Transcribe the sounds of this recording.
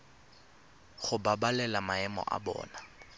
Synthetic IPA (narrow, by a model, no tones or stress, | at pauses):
χʊbabalɛlamaɛmɔ̰ʔa̰bɔ̰ːna